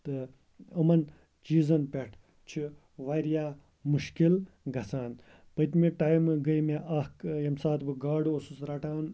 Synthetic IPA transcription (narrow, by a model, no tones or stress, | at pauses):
t̪ɨ | ɐmɐn | t͡ʃiːzɐnpʲeʈʰ | t͡ʃʰi | ʋaɾijaː | muʃkil | ɡɐsaːn | pət̪miʈaːjmɨɡɐjmeʔɐkjɐmsaːt̪ʰbɨɡaːɖuosusɾɐʈaːn